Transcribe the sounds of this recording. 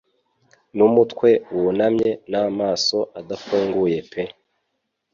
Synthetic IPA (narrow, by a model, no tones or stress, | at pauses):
numutkwe̞wunamɲe̞naːmaːso̞ʔadafuːŋɡuje̞pʰe̞